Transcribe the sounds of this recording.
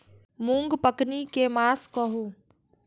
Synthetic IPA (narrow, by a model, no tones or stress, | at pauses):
mũŋɡpəknikemaːskəɦuː